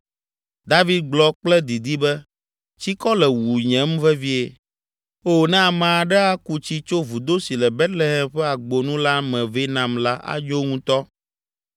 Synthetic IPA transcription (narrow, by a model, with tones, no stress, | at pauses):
d̪a˦vi˦d̪̚ɡ͡blɔ˦k͡plɛ˦d̪i˨d̪i˦bɛ˦ | t͡ɕi˦kɔ˦lɛ˨wu˨ɲɛ̃˦mvɛ˦vi˦e˨ | o˦nɛ̃˦a˨mã˨a˨ɖɛ˦a˦ku˦t͡ɕi˦t͡ʃo˦vu˨d̪o˦si˨lɛ˨bɛ˦t̪le˦ɦɛ˦mɸɛ˦a˨ɡ͡bo˨nũ˦la˦mɛ̃˨ve˦nã˨mla˦ʔa̰˦d͡ʒo˦ŋũ˦t̪ɔ˦